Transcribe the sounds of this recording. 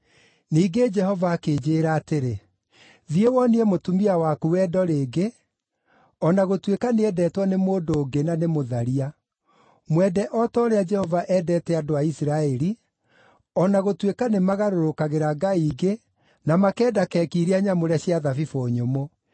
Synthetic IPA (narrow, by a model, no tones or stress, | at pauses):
niːɡed͡ʒɛhɔvaːkeːd͡ʒeɾaːteɾe | ðiewɔniɛmotumiawakuwɛːdɔɾeːɡe | ɔnaɣotwekaneɛdɛːtwanemoːdoːɡenanemoðaɾia | mwɛdɛʔɔtɔːɾead͡ʒɛhɔvaʔɛdɛtɛadoaisiɾaɛɾi | ɔnaɣotwekanemaɣaɾoɾokaɣeɾaɡaiːɡe | namakɛːdakɛːkiɾiaɲamoɾɛɕiaðavifoɲomo